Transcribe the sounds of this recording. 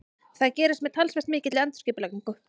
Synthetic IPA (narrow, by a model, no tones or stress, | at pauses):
θaðcɛːɾɪst̪mɛðt̪ʰalsvɛst̪mɪːcɪt̪lɪɛnt̪ʏ̥cɪːpʏlakniŋkʏ